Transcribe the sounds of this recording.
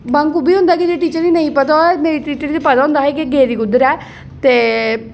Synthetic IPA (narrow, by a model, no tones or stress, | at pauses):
bãŋkubiːɦʊ̃nd̪aːkit̪eːʈiːt͡ʃəɾiːnəĩːpət̪ameːɾiːʈiːt͡ʃəɾt̪eːpət̪aːʊ̃nd̪aːɦɛːkeɡeːd̪iːɡʊd̪əɾɛː | t̪eː